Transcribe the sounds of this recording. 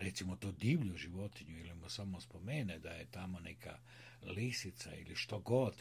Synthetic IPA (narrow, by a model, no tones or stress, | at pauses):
ɾet̪simot̪oːd̪iːʋʎuʒiʋot̪iɲuilimosamospomened̪ajet̪amonekʰa̰ | lisit̪saḭliʃt̪oɡod̪